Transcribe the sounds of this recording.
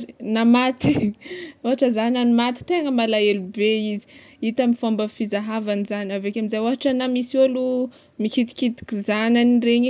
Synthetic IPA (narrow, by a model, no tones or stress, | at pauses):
namat̪i̥oɦaʈ͡ʂəzananimat̪i̥t̪eŋəmalaelubeizi̥ | it̪amifambəfizaɦavanizanavekʲamizajoaɦaʈ͡ʂanamisolu | mikit̪i̥kit̪i̥kʲizananireɲi